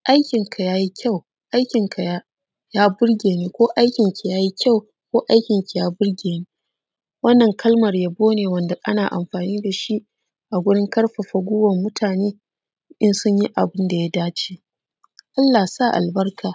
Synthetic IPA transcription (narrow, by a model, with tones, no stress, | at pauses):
ʔa˦jkʲɪ˨ŋkʰa˨jaː˦ji˦kʲʰa˦˨w | ʔa˦jkʲɪ˨ŋkʰa˨ja˦ | jaː˦bʊ˦ɽɡʲeː˨niː˦kʷoː˦ʔa˦jkʲɪ˨ŋkʲi˨jaː˦ji˦kʲa˦˨w | kʷoː˦ʔa˦jkʲɪ˨ŋkʲi˨jaː˦bʊ˦rɡʲeː˨niː˦ | wɐ˦nːɐ˨ŋkʰɐ˦lmɐ˨rja˦boː˦neː˨wɐ˦nda˨ʔa̰˦naː˨ʔa̰˨mɸaː˨niː˦da˨ʃi˦ | ʔa˨ɡʷʊ˦ɽɪ˦ŋkɐ˦rɸa˨ɸɐ˨ɡʷʊ˦wɐ˨mːʊ˦tʰaː˨neː˦ | ʔɪ˦nsʊ˦ɲji˦ʔa˨bɪ˦nda˨ja˦daː˦t͡ʃi̥ː˦ | ʔa˦lːa˨sa˦˨ʔa̰˨lbɐ˦rkʰaː˨